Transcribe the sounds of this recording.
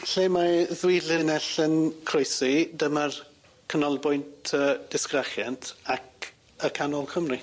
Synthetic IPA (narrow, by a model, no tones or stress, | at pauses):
ɬeːmaðwilɪnɛɬənkʰrojsidəmər | kʰənɔlˠbʊjntʰəd̥ɪskrɛχjantʰak | əkʰanɔlˠkʰəmri